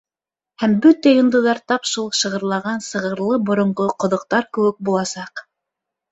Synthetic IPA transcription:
hæmbɵt̪æjŏnd̪ɤ̆ðɑɾt̪ɑpʃulˠʃɤ̆ʁɤ̆ɾlˠɑʁɑnsɤ̆ʁɤ̆ɾlˠɤbŏɾŏɴʁoqŏðŏq̚t̪ɑɾkɘ̆wɘk̚bulˠɑsɑq

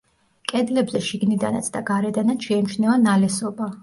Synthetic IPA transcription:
kʼɛd̪lɛbzɛʃiɡnid̪ana̰t̪sʰd̪aɡaɾɛd̪anat̪sʃɛɛmt͡ʃʰnɛvanalɛsɔba

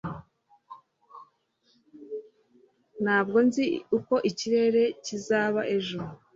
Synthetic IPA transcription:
nhaːb̚ɡo̞nziuko̞ʔiciɾe̞ɾe̞cizaːβaʔe̞ʒuɾu

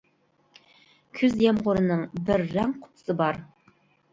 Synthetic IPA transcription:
kʲʰyzjɛmʁʊɾɨnɨŋbɪɾːæŋqʰʊ̥t̪ʰʊ̥sɨbɑɾ

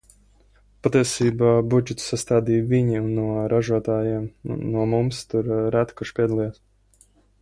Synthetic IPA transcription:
pat̪iɛsiːbaːbud͡ʒɛt̪sast̪aːd̪iːviɲiunːuɔɾaʒuɔt̪aːjiɛm̰nuɔmumst̪uɾɾæt̪kuʃpʲiɛd̪alˠijɛs

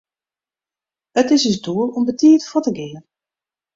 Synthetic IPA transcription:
ətɪsizduəlˠɔmbətiətfotəɡɪən

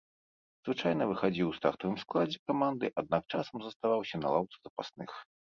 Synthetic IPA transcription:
zvɨt͡ʂajn̪ɐvɨxad͡zʲiwst̪axt̪ɔvɨmsklˠad͡zʲɛkamand̪ɨʔad̪̚nak̚t͡ʂasɐmzɐst̪avawsʲɐna̰lˠawt̪sɨzɐpasnɨx

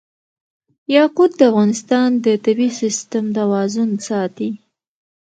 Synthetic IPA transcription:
jɑqud̪̚d̪əafɣɑnɪst̪ɑnd̪ət̪abisɪst̪amt̪awɑzʊnsɑt̪i

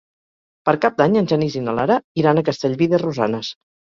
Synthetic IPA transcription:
pəɾkap̚d̪aɲənʲʒənizinəlaɾəiɾanəkəst̪eʎβiðəruza̰nəs

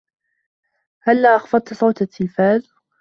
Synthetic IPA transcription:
halːaːʔɑxfɑd̚ˤt̪sˤɑwt̪at̪ʰːɪlfaːð

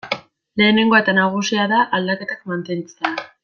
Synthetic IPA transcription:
le̞ːne̞ŋɡo̞e̞t̪anaɣ̞usiaðaʔald̪ake̞t̪ak̚mant̪e̞nt͡se̞a

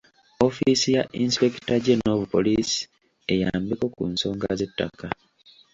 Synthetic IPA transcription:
o̞fisijaʔinspeki̥taɟeno̞ːβupo̞lisi̥ | e̞jaːmbiko̞kunso̞ːŋɡaze̞tːa̰ka

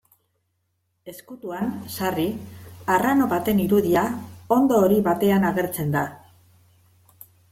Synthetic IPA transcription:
e̞skut̪uansariarano̞βat̪e̞niɾuðiao̞nd̪o̞ːɾiβat̪e̞anaɣe̞ɾt͡se̞nd̪a

